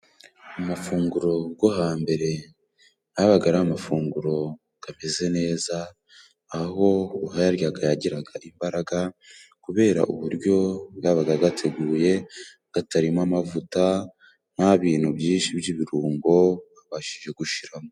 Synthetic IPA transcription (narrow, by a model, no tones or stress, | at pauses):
umafuːŋɡuɾo̞ɡoɦaːmbe̞ɾe̞ | jaβaɡaɾaːmafuːŋɡuɾo̞ | ɡ̥ame̞ze̞ne̞ːzaː | ho̞uhajaɾjaɡajaɟiɾaɡaʔimbaɾaɡa | kuβe̞ːɾa̰ʔuβuɾɟo̞jaβaɡaɡatʰe̞ɡuːje̞ | ɡ̥ataɾimamavuta | n̥haβiːn̥hubjiːnʃibjiːβiɾuːŋɡo̞βaβaʃiʒe̞ɡuʃiɾamo